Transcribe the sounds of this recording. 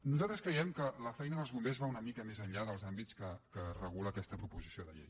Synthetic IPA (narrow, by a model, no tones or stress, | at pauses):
nuzalˠt̪ɾəskɾɛjɛmkələfɛjnəðəlˠzβumbezβaunəmikəmezəɲʎaðəlˠzambit͡skəkərəɣ̞uləːkɛst̪əpɾupuzisioðə̰ʎḛj